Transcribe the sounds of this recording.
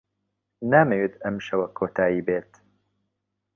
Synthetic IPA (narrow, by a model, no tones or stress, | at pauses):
naːmɐwit̪ɐmʃɐwɐkʰoːt̪ʰaːjiːbeːt̪